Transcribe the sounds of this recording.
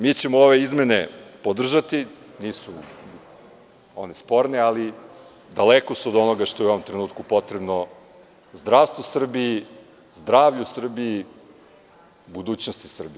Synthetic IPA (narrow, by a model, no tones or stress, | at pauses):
miːt͡ɕe̞mooʋeizme̞nepod̪r̩ʒat̪iniːsu | o̰nespo̞ɾneali | d̪alekosuod̪o̞noɡaʃt̪ojeuoomt̪ɾenuːt̪kupo̞t̪ɾebno | zd̪ɾaʋst̪ʋosr̩bii | zd̪ɾaːʋʎusr̩bii | bud̪uːt͡ɕnost̪isr̩bi